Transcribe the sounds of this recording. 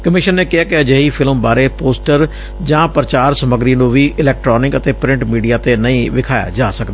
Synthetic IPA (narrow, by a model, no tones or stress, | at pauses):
kəmɪʃənːeːkɪɦaːkɪəd͡ʒeːiːpʰɪlmbaːɾeːpoːsʈəɾ | d͡ʒãːpɾət͡ʃaːɾsəməɡɾiːnũːʋiːʔɪlɛːk̚ʈɾɔːnɪkət̪eːpɾɪ̃ɳʈmiːɖijaːt̪eːnəĩːʋɪkʰaːja̰ːd͡ʒaːsəkd̪aː